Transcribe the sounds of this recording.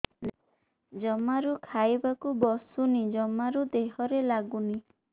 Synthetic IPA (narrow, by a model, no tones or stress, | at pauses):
d͡ʒɔmaɾukʰajbakubɔsunid͡ʒɔmaɾud̪eɦɔɾelaɡuni